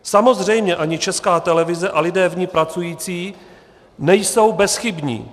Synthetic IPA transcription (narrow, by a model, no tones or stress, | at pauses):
samo̞zr̝ɛjmɲɛʔaɲɪt͡ʃɛskaːt̪ɛlɛvɪzɛʔalɪdɛːvɲɪpɾat͡sujiːt͡siː | nɛjso̞wbɛsxɪbɲḭː